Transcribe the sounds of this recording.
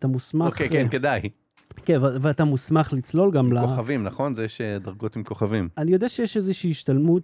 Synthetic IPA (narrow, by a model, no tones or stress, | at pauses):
t̪amusmaokekenkedaj | keveveatamusmaχlit͡slo̞lɡamlaoavimnaχo̞nzejeʃedaʁɡo̞timko̞χavimanijo̞daʃejeʃezeʃiːʃtalmut̪